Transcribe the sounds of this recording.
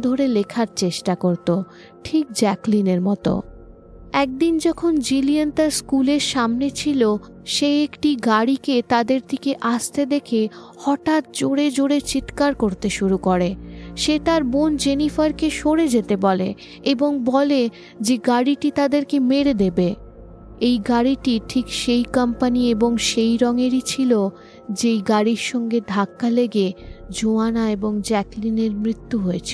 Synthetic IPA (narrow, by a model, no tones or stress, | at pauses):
d̪ʱoɾelekʰaɾt͡ɕeʃʈakoɾt̪o | ʈʰik̚d͡ʑɛklineɾmɔt̪o̰ | ɛk̚d̪ind͡ʑɔkʰond͡ʑiliant̪aɾskuleɾʃamnet͡ɕʰilo | ʃeekʈiɡaɽiket̪ad̪eɾd̪ikeʔast̪ed̪ekʰe | hɔʈat̪̚d͡ʑoɽed͡ʑoɽet͡ɕit̪kaɾkoɾt̪eʃuɾukoɾeʃet̪aɾbond͡ʑenifaɾkeʃoɽed͡ʑet̪ebɔlḛ | eboŋbɔle | d͡ʑeɡaɽiʈit̪ad̪eɾkemeɾed̪ebe | ejɡaɽiʈiʈʰikʃejkampanieboŋʃejɾɔŋeɾit͡ɕʰilo | d͡ʑejɡaɽiɾʃɔŋɡed̪ʱakːaleɡed͡ʑoanaeboŋd͡ʑɛklineɾmɾit̪ːuɦoet͡ɕʰe